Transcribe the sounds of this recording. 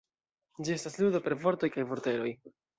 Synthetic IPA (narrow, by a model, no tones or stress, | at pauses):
d͡ʒie̞stasludo̞pe̞ɾvo̞ɾto̞jkajvo̞ɾte̞ɾo̞j